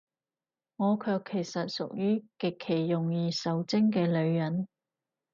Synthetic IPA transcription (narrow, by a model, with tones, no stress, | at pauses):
ŋɔː˨˧kʰœː˧kʰːe˨˩jsɐ˨t̚sʊ˨k̚jyː˥kɪ˨kʰːe˨˩jːʊ˨ŋjiː˧sɐ˨˧wt͡sɪ˥ŋkɛː˧lɵ˨˧ɥjɐ˨˥n